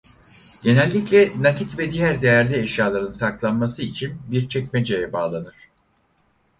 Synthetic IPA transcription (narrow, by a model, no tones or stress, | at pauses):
ɟe̞nɛlʲːiclʲɛnacit̪vɛd̪ijæɾd̪e̞jæɾlʲieʃjaːlˠaɾɯnsaklˠanmasɯit͡ʃʰinbiɾt͡ʃʰɛcʲmed͡ʒejɛbaːlˠanɯɾ̥